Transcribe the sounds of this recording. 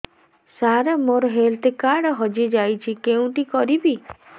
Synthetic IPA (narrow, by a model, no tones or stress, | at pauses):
saɾemoɾɔɦelt̪ekaɽɔɦɔd͡ʒid͡ʒajt͡ʃʰikeũʈikɔɾibi